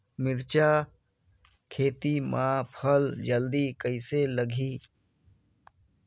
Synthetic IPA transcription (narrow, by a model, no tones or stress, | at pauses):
mɪɾt͡ʃa | kʰeːt̪imʔãpʰəld͡ʒəld̪ikəɪseləɡʱiː